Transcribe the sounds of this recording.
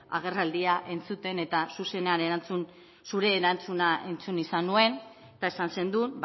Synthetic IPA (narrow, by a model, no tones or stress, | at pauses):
a̰ɣ̞e̞rald̪iaʔe̞nt͡sut̪e̞ne̞t̪asuse̞ne̞ane̞ɾant͡sun | suɾe̞ːɾant͡sunaʔe̞nt͡sunisanue̞n | et̪ae̞sanse̞nd̪ub